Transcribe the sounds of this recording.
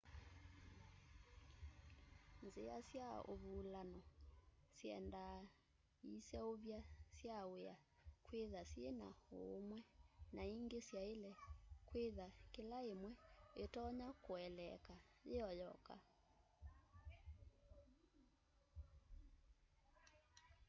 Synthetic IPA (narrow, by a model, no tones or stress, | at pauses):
nzea̰sjao̰βuːlanɔsjɛnda | isɛoβjasjaweakweðasjenaomwɛnaiŋɡesjaelɛkweðakelaemwɛetɔɲakoɛlɛ̰kajeɔjɔka̰